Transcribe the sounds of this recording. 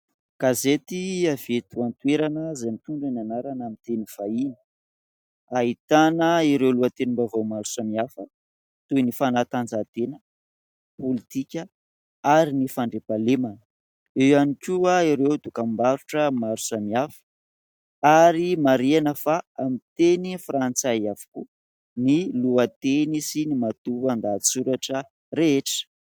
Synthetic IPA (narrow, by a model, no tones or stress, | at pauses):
ɡ̥azet̪iavet̪uant̪ueɾanəzamit̪uɳɖ͡ʐananaɾanamint̪enifainə̥ | aɦit̪anəiɾewluət̪enimbavawmaɾusamiafə | t̪ujnifanat̪and͡zat̪enə | polit̪ikʲə | aɾinifaɳɖ͡ʐepalemanə̥ | ewanikʲuaiɾewd̪ukambaɾuʈ͡ʂəmaɾu̥samiafə̥ | aɾimaɾianəfaamit̪enifrant͡saavu̥ku | niluat̪enisinimat̪uand̪asuɾaʈ͡ʂə | reeʈ͡ʂə̥